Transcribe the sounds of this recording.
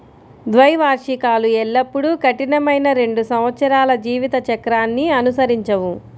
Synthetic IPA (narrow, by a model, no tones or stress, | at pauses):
d̪ʋɐjʋaːɾʂikaːluɛɭːɐpːuɽukɐʈinɐmɐjnɐɾe̞ɳɖusɐmʋɐt̪sɐɾaːlɐd͡ʒiːʋit̪ɐt͡ʃɐkɾaːnːiɐnusɐɾiɲt͡ʃɐʋu